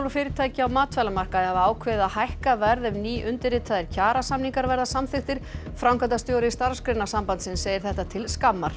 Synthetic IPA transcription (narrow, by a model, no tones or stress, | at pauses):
lfɪːɾɪt̪ʰaːjcɪawmaːt̪ʰfɛlamar̥kaðhavaːwkʰvɛːðahajhkavɛɾðɛvniːʔʏnt̪ɪɾɪt̪ʰaðɪɾcʰaːɾasamniŋkaɾvɛɾðasamθɪxt̪ɪɾ̥ | fɾawŋkant̪ast̪joːwɾɪst̪aɾ̥skɾɪnːasampant̪sɪnseːjɪɾ̥θɛht̪at̪ʰɪlskamːaɾ̥